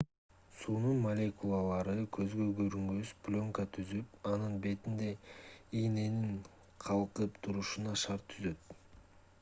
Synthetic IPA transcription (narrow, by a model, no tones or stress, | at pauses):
suːnunmɐlʲe̞kulˠɑlˠɑɾɯkʰø̞zɡøɡøɾyŋɡysplʲo̞ŋkət̪ʰyzypɑnɯnbe̞t̪ind̪e̞ijne̞niŋ | qʰɑlˠqɯpt̪ʰuɾuʃunɑʃɑɾt̪ʰːyzø̞t̪̚